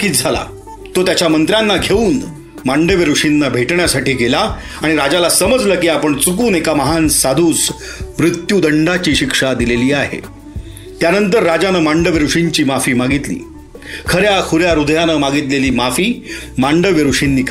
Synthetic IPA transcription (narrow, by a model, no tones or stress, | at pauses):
kiːt̪̚d͡zʱala̰ | t̪ot̪jat͡ɕjamənt̪ɾjanːaɡʱeuːn | maɳɖəʋjəɾuʂinːabʱeʈɳjasaʈiːɡela | aɽ̃iɾad͡ʑalasəməd͡zləːkiːapəɳt͡sukuːnekaməɦansad̪ʱuːs | mɾut̪jud̪əɳɖat͡ɕiːɕikʂad̪ileliːaɦḛ | t̪janənt̪əɾːad͡ʑanəmaɳɖəʋeɾuʂiɲt͡ɕiːmafiːmaɡit̪lḭː | kʰəɾjakʰuɾjaɾud̪ʱjanəmaɡit̪leliːmafiː | maɳɖəʋjəɾuʂinːiːk